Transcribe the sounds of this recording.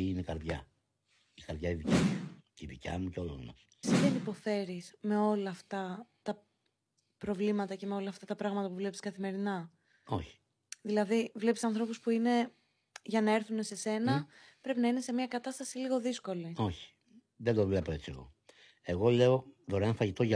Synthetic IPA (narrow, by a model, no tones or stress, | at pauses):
inekɐɾðʝɐ̰ | ikɐɾðʝɐiðicimuciðḭcɐ̰muceolo̰mɐ̰s | siðenipo̞fe̞ɾisme̞o̞lɐːft̪ɐt̪ɐ | pɾo̞vlimɐt̪ɐce̞me̞o̞lɐːft̪ɐt̪ɐpɾɐɣmɐt̪ɐpuvle̞pi̥skɐθime̞ɾinɐ | o̞çi̥ | ðilɐðivle̞pi̥sɐnθɾo̞puspuine̞ | ʝɐnɐeɾθune̞se̞se̞nɐpɾe̞pinɐine̞se̞mɲɐkɐt̪ɐst̪ɐsiliɣo̞ðisko̞lio̞çi̥ | ðed̪ovle̞poe̞t͡siḛɣo̞̰ | e̞ɣo̞le̞o̞ðoɾenɐfɐʝit̪o̞ʝɐ